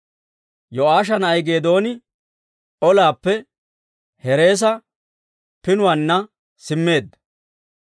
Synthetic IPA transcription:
jɔʔaːʃ̬ɐnɐjɡe̞ːd̪o̞ːnɪ | ʔɔlaːpːɛ | hɛɾe̞ːs̬ɐ | pɪnʊwanːɐ | sɪmːe̞ːd̪ːɐ̥

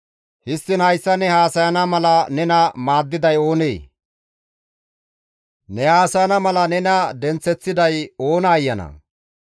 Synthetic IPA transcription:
hɪst̪ːɪnhɐjsːɐnɛhaːsɐjɐnɐmɐlɐnɛnɐmaːd̪ːɪd̪ɐjo̞ːnḛː | nɛhaːsɐjɐnɐmɐlɐnɛnɐd̪ɛnt͡sːɛt͡sːɪd̪ɐjo̞ːnɐːjːɐnɐ̰

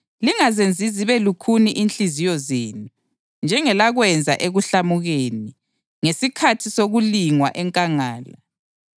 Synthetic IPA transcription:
liŋazend͡zʱiziβɛlukʰuniʔint͡ɬizijɔzeːnu | nd͡ʒʱɛŋɛlaɣwɛnd͡zʱa̰ʔeɣuɬamuɣeni | ŋesikʰatʰisoɣuliŋwa̰ʔɛŋkʼaŋaːla

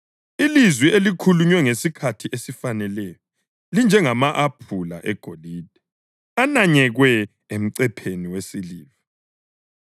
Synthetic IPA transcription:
ilizwielikʰuluɲwɛŋesikʰatʰiʔesifanɛlɛːjɔ | lind͡ʒʱɛŋamaʔapʰula̰ʔɛɡ̥ʱoliːd̥̚ʱɛ | anaɲɛɣwɛ | em̩ǀɛpʰeniwesiliːva

